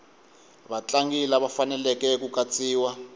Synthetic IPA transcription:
βat͡ɬaŋɡilaβafanɛlɛkɛkukat͡sʼiːwa

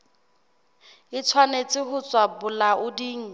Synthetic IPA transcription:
ɪt͡sʰwanet͡sʼɪhʊt͡sʼwabʊlaʔʊdiːŋ̩

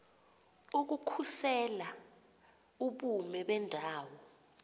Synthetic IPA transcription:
uk̬ukʰusɛla | uɓumɛɓɛndʱaːwɔ

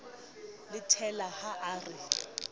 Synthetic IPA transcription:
lɪtʰɛlahaʔaːrɪ

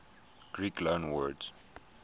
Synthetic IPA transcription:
ɡ̥ɹiːklõːnwədz

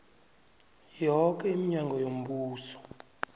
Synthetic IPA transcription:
jɔk̬ʼɛimiɲaŋɡʱɔjom̩buːsɔ̥

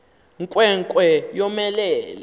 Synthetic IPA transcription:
ŋkʼwɛŋkʼwɛjɔmɛlɛːlɛ

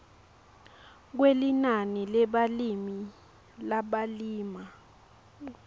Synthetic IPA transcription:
k̬welinanilɛɓalimi | laɓaliːma

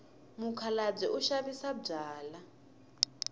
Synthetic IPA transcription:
mukʰalab͡ʐɛʔuʃaβisab͡ʐaːla

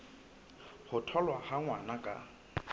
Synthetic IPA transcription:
hʊtʰɔlwahaŋwanakʼa̰

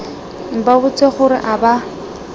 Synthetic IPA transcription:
m̩babʊt͡sʼeχʊɾɪ̰ʔaba

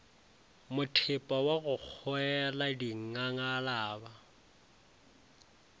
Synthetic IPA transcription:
mʊtʰɪpʼawaɣʊk͡xʰɔɛladiŋ̩ŋaŋalaːba

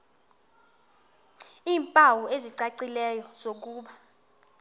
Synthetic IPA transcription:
iːmpʼawueziǀaǀilɛjɔz̥ok̬ʼuːɓa

